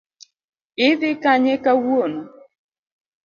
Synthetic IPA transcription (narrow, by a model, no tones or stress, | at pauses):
ɪðɪkaɲekawuonɔ